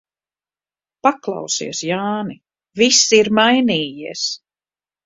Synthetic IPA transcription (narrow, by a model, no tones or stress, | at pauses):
paklˠɑ̰wsḭɛsjaːni | visːiiɾmajniːjiɛs